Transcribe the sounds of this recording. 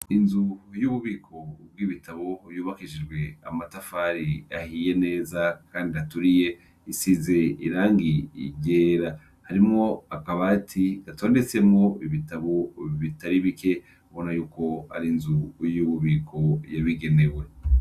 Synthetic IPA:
inzujuːβuβiːkʰo̞b̚ɡiːβitʰaβo̞βjuːβakiʒid͡ʒɡwe̞a̰matafaɾiahije̞ne̞ːzakʰaːndiatuɾije̞ | isize̞ḭɾaːŋɡḭɟeːɾa | haɾimŋo̞akaβaːtʰiatʰo̞ːnde̞t͡se̞mŋo̞iβitaβo̞βitaɾiβike̞ | aβo̞najuːko̞ha̰ɾinzujuβuβiːkʰo̞jaβiɡe̞ne̞we̞

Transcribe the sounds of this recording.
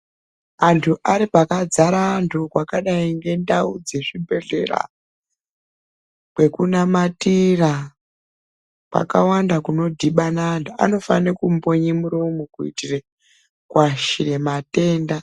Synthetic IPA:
antʰuʔaɾipakad͡zaɾantʰukwakaɗaiŋɡe̞ndaud͡ze̞ʐibʱe̞ɮe̞̰ra̰ | kwe̞kunamatira | pa̰kawandakuno̞dʱiɓanantua̰no̞fanekumpo̞ɲemuɾomukuḭtire | kwaʃiɾe̞mate̞ːnda

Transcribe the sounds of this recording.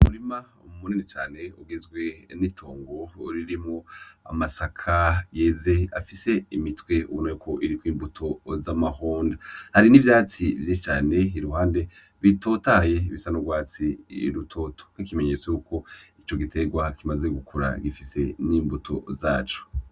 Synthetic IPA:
umuɾima | umuninit͡ʃaːne̞uɡezɡwe̞nitʰo̞ːŋɡo̞ɾiɾimŋo̞a̰masakʰaje̞ze̞a̰fise̞imitwe̞ṵwunajukʰo̞ʔiɾikwiːmbutʰo̞zamahoːndahaɾinivjaːt͡sivjet͡ʃaːne̞iɾuhaːnde̞ | βito̞taje̞iβisanoɡwaːt͡sḭɾutʰo̞ːtʰo̥nikime̞ɲe̞t͡swejuko̞it͡ʃo̞ɡitʰe̞ɡwakimaze̞ɡukʰuɾa̰ɡifise̞niːmbutʰo̞̰zaːt͡ʃo̥

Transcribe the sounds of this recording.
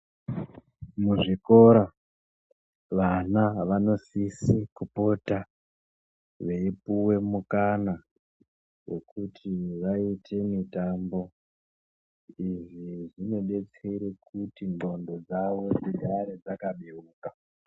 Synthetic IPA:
muʐiko̞ɾa | ʋanaʋano̞sisikupo̞ta | ʋeipuwe̞mukana | wo̞kutʰiʋaitʰe̞mitambo̞ | iʐiʐino̞ɗe̞t͡seɾekʰutiŋɡo̞ndo̞d͡zaʋo̞d͡zedʱaɾed͡zakaɓeuːka

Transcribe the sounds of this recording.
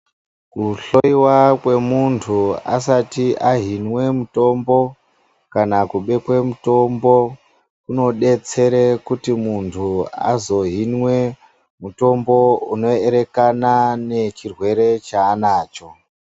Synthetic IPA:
kuɬo̞iwakwe̞muntʰuasatiʔaɦinwe̞muto̞mbo̞ | kanakuɓe̞kwe̞muto̞mbo̞ | kuno̞ɗe̞t͡se̞ɾekutimuntʰua̰zo̞ɦinwe̞ | muto̞mbo̞uno̞eɾe̞kanane̞t͡ʃirwe̞ɾe̞t͡ʃaːnaːt͡ʃo̞

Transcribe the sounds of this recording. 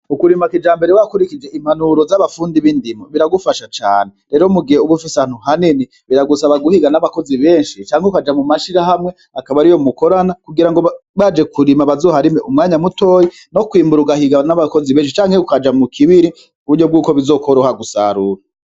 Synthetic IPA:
ukuɾimakid͡ʒaːmbe̞ɾewakuɾikid͡ʒe̞ʔim̥anuɾo̞zaβafuːndiβindimoβiɾaɡufaʃat͡ʃaːne̞ɾe̞ːɾomuɡiheuɡufisahːn̥huhanini | βiɾaɡusaβaɡuhiɡanaβako̞ziβe̞ːnʃit͡ʃaːŋheukad͡ʒamumaʃiɾaɦamŋe̞ | akaβaɾijomuko̞ɾanakuɡiɾaŋɡo̞βad͡ʒe̞kuɾimaβazoːhaɾimeʔumŋaːɲamuto̞ːji | no̞kwiːmbuɾuɡahiɡanaβako̞ziβeːnʃ̬it͡ʃaːŋhe̞ukad͡ʒamukʰiβiɾi | uuɾɟob̚ɡuːkoβizo̞ːkʰoɾohaɡusa̰ɾuːɾa

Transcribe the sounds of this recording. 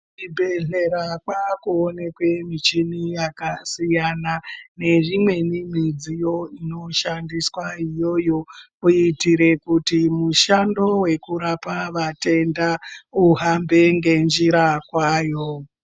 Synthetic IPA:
ibʱeɮe̞ɾakwakuone̞kwe̞mit͡ʃinijakasijanane̞ʐimwe̞nim̤id͡zijoino̞ʃandiswaijo̞jo̞ | uitiɾe̞kutimuʃando̞we̞kuɾapaʋate̞ndauɦambe̞ŋɡe̞nd͡ʒiɾakwaːjo̞

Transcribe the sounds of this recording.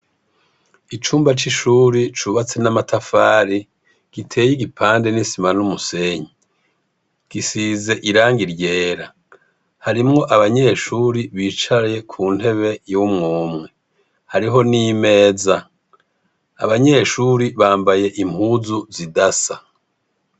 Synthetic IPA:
it͡ʃuːmbat͡ʃiʃuːɾit͡ʃuβat͡se̞namatʰafaːɾi | ɡ̥itʰe̞ːjiɡipʰaːnde̞nisimanumuse̞ɲi | ɡ̥isiːze̞ʔiɾaːŋɡiɾje̞ːɾa | haɾimŋo̞ʔaβaɲe̞ːʃuːɾiβiːt͡ʃaɾje̞kʰuːn̥he̞βe̞jumŋoːmŋe̞ | haɾiɦo̞niːme̞ːza | a̰βaɲe̞ʃuːɾiβaːmbaje̞ʔim̥huzuzidasa

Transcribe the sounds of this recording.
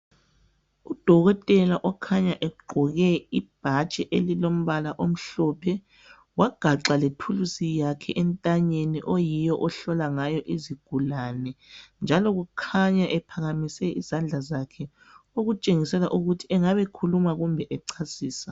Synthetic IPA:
ud̥ʱɔɣɔtʼɛlaʔɔkʰaɲaʔɛuɡ͡ǃʱɔɣɛib̥ʱat͡ʃʼɛʔelilom̩βalaʔom̩ɬɔpʰɛ | waɡ̥ʱaǁaletʰulusijakʰɛʔɛntʼaɲeniʔojijɔʔɔɬɔlaŋajɔʔiziɡ̥ʱulanɛnd͡ʒʱalɔɣukʰaɲaʔɛpʰaɣamisɛʔizand͡ɮʱazakʰɛ | oɣut͡ʃʼeŋisɛlaʔuɣutʰiɛŋaβɛkʰulumaɣumbʱɛʔɛǀʰasiːsa

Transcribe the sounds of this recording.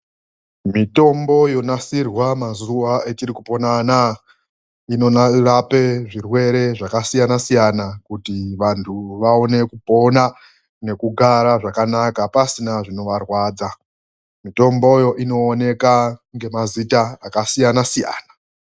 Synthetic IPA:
mito̞mbo̞jo̞nasirwamazuʋae̞t͡ʃirikupo̞nana | ino̞narape̞ʐirwe̞ɾe̞ʐakasijanasijanakutiʋantʰuʋao̞ne̞kupo̞na | ne̞kuɡʱaɾaʐakanakapasinaʐino̞ʋarwaːd͡za | mito̞mbo̞jo̞ʔino̞ːne̞kaŋɡe̞mazitaakasijanasija̰ːna

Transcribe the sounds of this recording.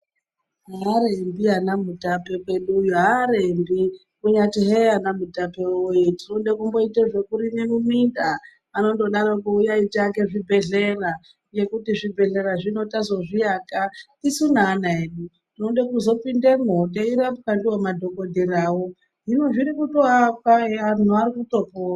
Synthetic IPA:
ɦaɾembianamutapepe̞ɗuːjuɦaɾembi | kuɲatiɦeanamutapeojetinonɗekumbo̞iteʐe̞kuɾinemuminda | ano̞ndoɗaɾokoujait͡ʃake̞ʐibʱe̞ɮe̞ra | je̞kutiʐibʱe̞ɮe̞ɾaʐino̞tazo̞ʐijakatisunanaeɗu | tinoɗekuzo̞pindemoteiɾamukandiwamadʱo̞ko̞dʱeɾaːwo | ʐinoʐiɾikutoakaan̤uaɾikuto̞po

